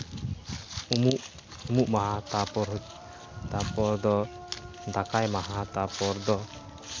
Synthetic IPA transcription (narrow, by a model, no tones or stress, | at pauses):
umuʔ | umuʔmaɦat̪apɔɾɦ | t̪apɔɾd̪ɔ | d̪akajmaɦat̪apɔɾd̪ɔ